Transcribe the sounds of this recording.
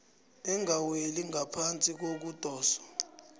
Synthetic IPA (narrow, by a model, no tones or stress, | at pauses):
ɛŋʱaweliŋʱapʰant͡sʼik̬ok̬ud̥ʱɔːsɔ̥